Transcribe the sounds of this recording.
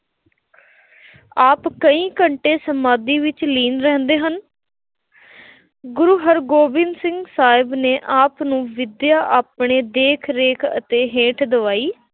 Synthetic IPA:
aːpkəĩːkəɳʈeːsəmbaːd̪iːʋɪt͡ʃliːnɾɛ̃ːnd̪eːɦən | ɡʊɾuːɦəɾɡoːbɪnsɪ̃ŋɡsaːɪbneːʔaːpnũːʋɪd̪jaːʔaːpɳeːd̪eːkʰɾeːkʰə̰t̪eːɦeːʈʰd̪əʋaːiː

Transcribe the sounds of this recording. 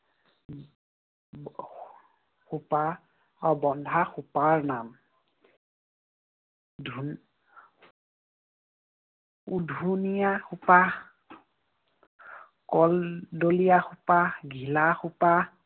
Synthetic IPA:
xupa | ɔbɔndʱaxupaɹnam | dʱ | udʱunijaxupa | kɔldolijaxupaɡʱilaxupa

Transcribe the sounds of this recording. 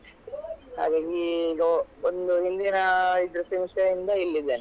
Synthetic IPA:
ha̰ːɡaːɡiːɡɐond̪uɦind̪inɐid̪ɾɐsimsjɐind̪ɐilːid̪eːn

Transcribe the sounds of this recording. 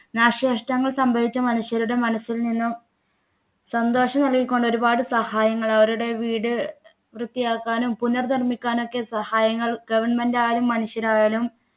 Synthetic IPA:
naːʂeːʂʈɐŋːɐɭsɐmbʱɐʋit͡ɕːɐmɐnuɕjɐɾuɽe̞mɐnɐsːilninːum | sɐnd̪oːʂɐmnɐɭkikʲːo̞ɳɖo̞ɾubaːɽɨsɐhaːjɐŋːɐɭɐʋɐɾuɽe̞ʋiːɽɨ | ʋrɨt̪ːijaːkːaːnumpunːɐrd̪ɐrmikʲːaːno̞kːe̞sɐhaːjɐŋːɐɭɡɐʋɐrɳmendaːjɐlumːɐnuɕjɐɾaːjalum

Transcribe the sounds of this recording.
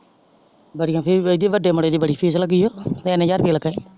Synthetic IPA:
bəɽɪjãːpʰɪɾd̪iːʋəɖeːməɽeːd̪iːbəɽiːpʰiːsləɡiːoːt̪eɛnẽːd͡ʒaɾbiːləɡae

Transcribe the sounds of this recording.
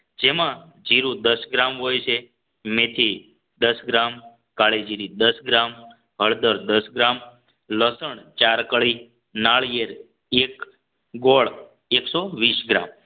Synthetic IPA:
d͡ʒemã | d͡ʒiɾũd̪əsɡɾamɦojt͡ʃʰe | met̪ʰi | d̪əsɡɾam | kaɭed͡ʒiɾid̪əsɡɾam | ɦəɭd̪əɾd̪əsɡɾam | ləsəɳt͡ʃaɾkəɭi | naɭjeɾ | ek | ɡoɭ | eksoʋisɡɾa̰m

